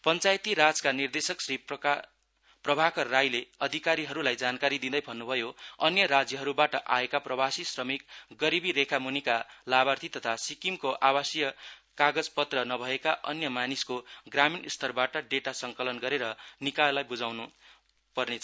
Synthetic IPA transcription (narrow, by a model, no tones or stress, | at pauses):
pʌnt͡sajt̪iɾad͡zkanird̪esʌksɾi | prʌbʱakʌrajleʌd̪ʱikaɾiɦʌɾulajd͡zankaɾid̪id̪ʌjbʱʌnːubʱʌjoʌnjʌɾad͡zjʌɦʌɾubaʈʌʔa̰ekaprʌbʱasisrʌmikɡʌɾibiɾekʰamunikalabart̪ʰit̪ʌt̪ʰasikimkoʔawasjʌkaɡʌd͡zpʌt̪rʌnʌbʱʌekaʔʌnjʌmaniskoɡraminist̪ʰʌrbaʈʌɖeʈasʌŋkʌlʌnɡʌɾeɾʌnikajlajbud͡zawnu | pʌrnet͡sʰ